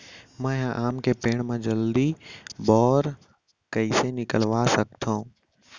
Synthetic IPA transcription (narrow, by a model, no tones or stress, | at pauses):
mɛ̃jãʔaːmkepeːɽ̃mãd͡ʒəld̪ibɔːɾ | kəisenɪkəlʋasək̚t̪ʰãũ